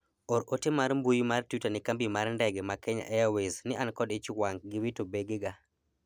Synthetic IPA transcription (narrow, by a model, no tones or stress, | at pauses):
oɾotemaɾmbujmartutanɪkambimarndɛɡɛmakɛɲa̰ʔɛjaweznɪʔankɔdɪt͡ʃwaŋɡɪwitobeɡɪɡa